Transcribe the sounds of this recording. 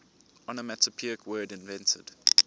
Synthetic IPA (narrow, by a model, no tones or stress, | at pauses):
ɔnəmɛtʰəpʰiɪkʰwɜːdɪ̃nvɛ̃ntʰə̰d̥